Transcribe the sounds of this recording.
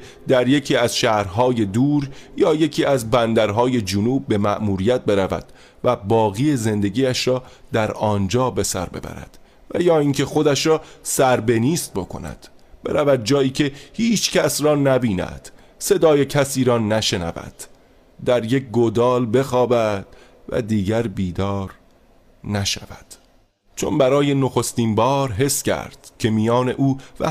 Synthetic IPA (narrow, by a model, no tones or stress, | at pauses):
d̪̥æɾje̞cʰiːæzʃæːɾɦɒːje̞d̪uːɾjɒːje̞cʰiːæzbænd̪æɾɦɒːje̞d͡ʒunuːb̚ːe̞mæʔmuːɾiːjæt̪̚be̞ɾævæ̰d̪̥ | væbɒːɣiːeze̞nd̪e̞ɟiːæʃɾɒːd̪̥æɾɒːnd͡ʒɒːbe̞sæ̰ɾbe̞̰bæ̰ɾæ̰d̪̥ | væjɒːiːŋcʰe̞xo̞d̪æʃɾɒːsæɾbe̞niːst̪̚bo̞kʰo̞̰næ̰d̪̥ | b̥e̞̰ɾævæd̪̚d͡ʒɒːiːcʰe̞hiːt͡ʃʰcʰæsɾɒːnæbiːnæ̰d̪̥ | se̞d̪ɒːjecʰæsiːɾɒːnæʃe̞næ̰væ̰d̪̥ | d̪æɾjek̚ɡod̪ɒːlbe̞xɒːbæd̪̥ | væ̰d̪iːɟæɾbiːd̪ɒːɾ | næʃævæd̪̥ | t͡ʃʰo̞̰nbæɾɒːje̞noxo̞st̪iːnbɒːɾɦe̞scʰæ̰ɾd̪̥cʰe̞mijɒːne̞ʔuːvæ̰